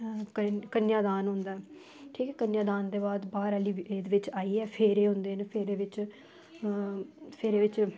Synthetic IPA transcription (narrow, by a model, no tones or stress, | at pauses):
kənjaːd̪aːnɦʊ̃nd̪aːɛ | ʈʰiːkɛːkənjaːd̪aːnd̪eːbaːd̪baːɾəːliːeːd̪ʋɪt͡ʃaːiːɛːpʰeːɾeːɦʊ̃nd̪eːnepʰeːɾeːʋɪt͡ʃ | pʰeːɾeːʋɪt͡ʃ